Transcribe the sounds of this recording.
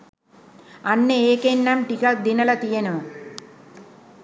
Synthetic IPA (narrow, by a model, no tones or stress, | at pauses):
ɐnːeeːkenːɐmʈikak̚d̪inɐlɐt̪ijɐnɐ